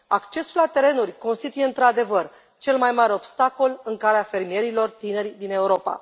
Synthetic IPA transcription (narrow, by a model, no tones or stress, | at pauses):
akt͡ʃe̞sulat̪e̞ɾe̞nurʲko̞nst̪it̪ujeɨnt̪ɾad̪e̞vər | t͡ʃe̞lmajmaɾeo̞bst̪ako̞lɨŋkaleafe̞rmije̞ɾilo̞rt̪ine̞rʲd̪ine̞uɾo̞pa̰